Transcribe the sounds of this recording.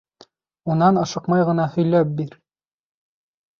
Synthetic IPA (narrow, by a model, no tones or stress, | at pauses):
unɑnɑʃɤqmɑjʁɤ̆nɑhɵ̆jlæp̚biɾ